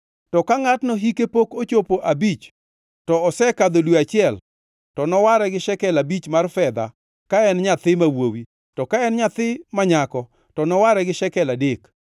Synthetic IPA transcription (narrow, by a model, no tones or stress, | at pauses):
tɔkaŋatnɔɦikepokot͡ʃopoʔabit͡ʃ | tɔɔsɛkad̪olweat͡ʃɪɛl | tɔnɔwaɾɛɡɪʃɛkɛlabit͡ʃmarfɛd̪a̰ | kaɛnɲat̪ɪmawowi | tɔkaɛnɲat̪ɪmaɲakɔ | tɔnɔwaɾɛɡɪʃɛkɛladɪk